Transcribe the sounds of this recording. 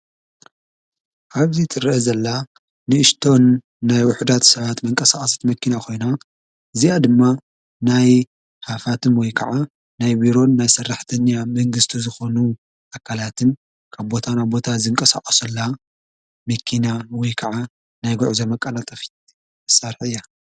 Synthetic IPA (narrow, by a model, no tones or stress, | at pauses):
ʔaβzit̪ʼɨrezɐlːa | nɨɨʃt̪ʰo̞nː | ajwʊħd̪at̪sɐβat̪mɐŋkʼɐsaχʼɐst̪mɐkːinakʰo̞jna | ʔɨziad̪ɨmːa | naj | hafat̪ʰɨnwɔjkʰɐʕa | najbiɾo̞nːajsɐrːaħt̪ʰɐɲːamɐŋɡɨst̪ʰizɨxo̞nu | ʔakʰːalat̪ʰɨn | kʰaβbo̞t̪ʰanaβbot̪ʰazɨŋkʼɐsa̰χʼɐsɐlːa | mɐkʰːinawɔjkʰɐʕa | najɡʊʕzɐmɐkʼːɐlat̪ʼɐfi̥t̪ | sɐɾħɨjːa